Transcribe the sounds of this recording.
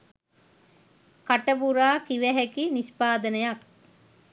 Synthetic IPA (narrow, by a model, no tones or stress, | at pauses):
kaʈəbuɾaːkiʋæɦækinispaːd̪ənəjɐk̚